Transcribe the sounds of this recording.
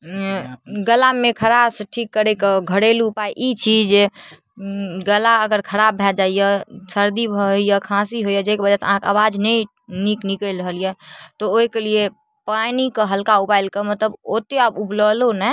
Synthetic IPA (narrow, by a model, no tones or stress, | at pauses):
ɡəlamekʰəɾabsʈʰikːəɾɛkəɡʱəɽelupaiʔit͡ʃʰid͡ʒe | ɡəlaəɡəɾkʰəɾabʱɛd͡ʒaijəsəɾd̪ibʱəijəkʰãsiɦojəd͡ʒekebəd͡ʒaseəɦãkeaβad͡ʒnɛ | niknikəlɾəɦəlijɛt̪ɔoikelie | panikəɦəlkaupailkemət̪ləbot̪eabupləlonɛ